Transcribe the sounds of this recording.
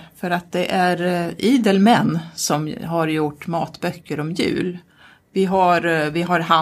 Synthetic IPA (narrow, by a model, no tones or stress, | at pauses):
fœɾat̪̚d̪ɛʔæɾiːd̪əlmɛnːsɔmɦaɾjʊʈːmɑːt̪bœkːəɾɔmjʉ̟̰ːl | vɪɦaɾvɪɦaɾɦa